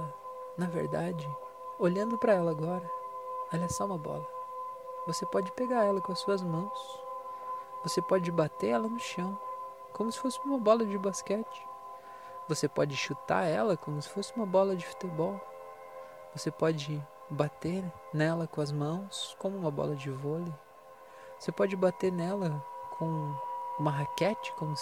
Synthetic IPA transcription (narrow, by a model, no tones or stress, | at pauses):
ɐ | nɐvḛɾd̪ad͡ʒɪ | oʎɐ̃nd̪ʊpɾɐɛlɐːɡɔɾɐaliɐsɔũmɐbɔ̰lɐ | vosepɔd͡ʒɪpeɡaɾɛlɐkõɐsuɐzmɐ̃w̃s | vosepɔd͡ʒɪbat̪eɾɛlɐnʊʃɐ̃w̃ | kõmʊsɪ̥fosɪũmɐbɔlɐd͡ʒɪbaskɛt͡ʃɪ̥ | vosepɔd͡ʒɪʃut̪a̰ɾɛlɐkõmʊsɪ̥fosɪũmɐbɔlɐd͡ʒɪfu̥t̪ebɔw | vosepɔd͡ʒɪ | bat̪eɾnɛlɐkõɐzmɐ̃w̃skõmʊũmɐbɔ̰lɐd͡ʒɪvolɪ | vosepɔd͡ʒɪbat̪eɾnɛlɐkʰõw̃ũmɐɦakɛt͡ʃɪ̥kõmʊ